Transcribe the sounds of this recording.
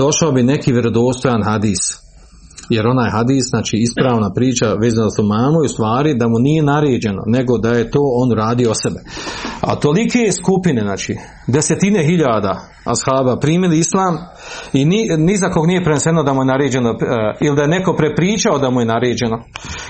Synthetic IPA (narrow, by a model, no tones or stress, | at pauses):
d̪o̞ʃaobine̞kiːʋeɾo̞d̪o̞ːst̪o̞janɦad̪iːs | je̞ɾo̞naːjɦad̪iːsznaːt͡ʃiːispɾaːʋnapɾiːt͡ʃaʋeːzanazaθumaːmujust̪ʋaːɾid̪amunije̞naɾeːd͡ʑe̞no̞̰ne̞ɡo̞d̪aje̞t̪o̞ːo̞nɾaːd̪ijoosebe̞a̰t̪o̞likeːskupineznaːt͡ʃḭː | d̪e̞se̞t̪ine̞ɦiʎaːd̪a̰ː | ashaːbapɾiːmiliislˠaːm | ininizako̞ɡnije̞pɾenesenod̪amujenaɾeːd͡ʑe̞noilid̪ajeneko̞pɾepɾiːt͡ʃaod̪amuje̞naɾeːd͡ʑe̞no̞